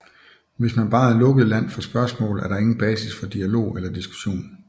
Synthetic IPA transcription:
ʋe̝smænb̥ɑ̈ːlɔ̽ɡ̥əð̩ˠlæn̰fɒ̽sb̥ɶɐsmɔ̰̽ːl̩ˠæɐɾ̥ɑ̈e̝ŋn̩b̥ɛːsisfɒ̽d̥iælo̝̰ːelɐd̥isɡ̥u̥ɕo̝̰ːn

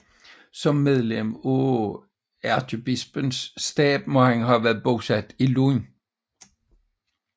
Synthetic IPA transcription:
sɒ̽mːeð̞ˠlemo | æɐt͡sʰyb̥isb̥ənsːd̥ɛ̰ːb̥̚mɔ̽hænɦæʋæːɐð̩ˠb̥o̝sæd̥ilun

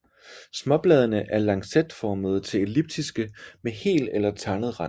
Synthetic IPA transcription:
smɒ̽b̥lɛːð̞ˠɐnəʔæɐlɑ̈ŋsed̥fɒːməð̞̩ˠt͡sʰe̝le̝lib̥̚d̥isɡ̥əmehe̝̰ːldelɐt͡sʰɑ̈nəð̞̩ˠʁɑ̈n

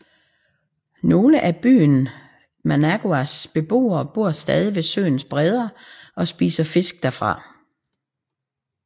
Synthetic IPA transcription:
no̝ːləʔæb̥y̰ːn | mænæɡ̥oæsb̥e̝b̥o̝̰ːɐːb̥o̝ɐ̰sd̥ɛːð̞ˠiʋe̝sø̰ːn̩sb̥ʁɛð̞ˠɐʔɒ̽sb̥ḭːsɐfe̝sɡ̥̚d̥æɐfʁɑ̈

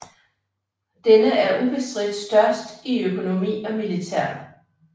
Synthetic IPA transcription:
d̥enəæɐʔub̥e̝sd̥ʁid̥sd̥ɶɐsd̥iøkʰo̝no̝mḭːɒ̽milit͡sʰæɐ̰

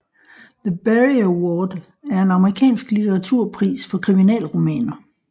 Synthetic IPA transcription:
ðəb̥eʁiwɔːd̥ | æɐe̝nɑ̈məʁikʰɛ̰ːnsɡ̥lit͡sʰeʁɑ̈t͡sʰuɐ̰pʰʁḭːsfɒ̽kʰʁiminɛ̰ːlʁo̝mɛ̰ːnɐ

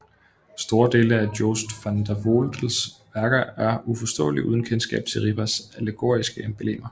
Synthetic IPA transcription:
sd̥o̝ːɐd̥e̝ːləædjoːsd̥fænd̥æʋold̥l̩sʋæɐɡ̥ɐæɐufɒ̽sd̥ɔ̰̽ːliʔuð̞ˠn̩kʰensɡ̥ɛ̰ːb̥t͡sʰe̝lʁib̥ʰæsæləɡ̥o̝̰ɐisɡ̥əemb̥elḛːmɐ

